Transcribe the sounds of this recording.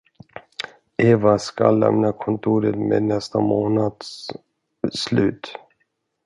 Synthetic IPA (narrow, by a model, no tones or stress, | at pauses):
eːvaskalːɛ̰mnakʰɔnt̪ʰuːɾət̪meːd̪nɛst̪amoːnad̪s | slʉ̟̰ːt̪